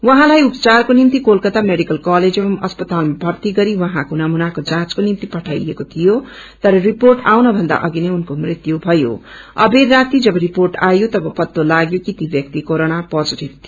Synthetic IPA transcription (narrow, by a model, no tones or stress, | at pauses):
wʌɦãlajupt͡sarkonimt̪ikolkʌt̪ameɽikʌlkaled͡zebʌmʌspʌt̪almabʱʌrt̪iɡʌɾiwʌɦãkonʌmunakod͡zãt͡skonimt̪ipʌʈʰajekot̪ʰijo | t̪ʌɾʌriporʈawnʌbʱʌnd̪a̰ʔʌɡineunkomrit̪jubʱʌjo̰ʌ̰berat̪id͡zʌbʌɾiporʈajot̪ʌbʌpʌt̪ːolaɡjokit̪ibʱjʌk̚t̪ikoɾoɽ̃apʌd͡zɾit̪